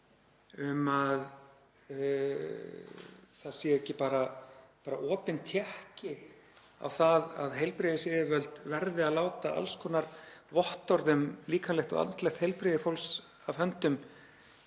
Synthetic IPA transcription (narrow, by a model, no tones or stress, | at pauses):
ʏmað | θaðsjɛɛhcːɪpaːɾapaːɾaʔɔːpɪnt̪ʰjɛhcɪ | a̰wθaðaðɦejlpɾɪːðɪsɪvœlt̪vɛɾðɪaðlaːwt̪aʔa̰lskʰɔnaɾvɔht̪ɔɾðʏmliːkʰanlɛxt̪ɔ̰ɣa̰nt̪lɛxt̪hejlpɾiðɪfowls | avɦœnt̪ʏm